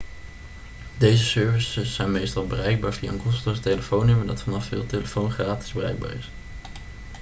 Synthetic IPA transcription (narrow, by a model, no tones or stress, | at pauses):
dejzəsøɹvəsəsːɛjnmejstɑlˠbərɛjɡ̚baːɹviaŋkɔstəsteləfownʏmədɑtfɑnɑfːɪ̰ːlˠteləfownχraːtɪ̥zbərɛ̰jɡ̚ba̰ːɹɪ̰s